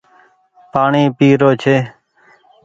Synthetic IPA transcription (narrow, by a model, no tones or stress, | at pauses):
paːɳiːpiːɾoːt͡ʃʰeː